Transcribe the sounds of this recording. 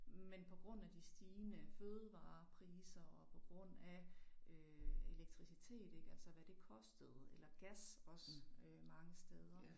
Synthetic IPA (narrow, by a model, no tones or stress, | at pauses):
menpʰɒ̽ɡ̥ʁɔ̽n̰æd̥isd̥iːnəføːð̞ˠəʋɑ̈ːpʰʁiːsɐɒ̽pʰɒ̽ɡ̥ʁɔ̽n̰æøe̝leɡ̥̚t͡sʰʁisit͡sʰe̝̰ːd̥eɡ̥æl̰sɐʋæd̥e̝kʰɒ̽sd̥əð̩ˠelɐɡ̥æsɒ̽sømɑ̈ŋəsd̥eð̞ˠɐ